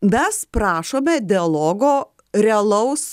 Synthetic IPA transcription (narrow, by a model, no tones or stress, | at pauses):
mʲɛspɾɑːʃoːmʲɛd̪ʲɪɐlˠoːɡoː | ɾʲɛɐlˠɐʊs